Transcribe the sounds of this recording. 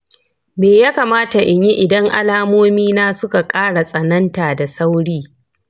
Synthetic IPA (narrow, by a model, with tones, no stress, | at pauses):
meː˨jaː˦ka˨maː˦ta˨ʔɪ˨ɲi˦ʔɪ˨dɐ˦ŋʔa̰˦laː˦moː˦miː˦naː˦sʊ˦ka˨kʼaː˦ɽa˨sʼɐ˨nɐ˦ntaː˨da˨sa˦wɽiː˦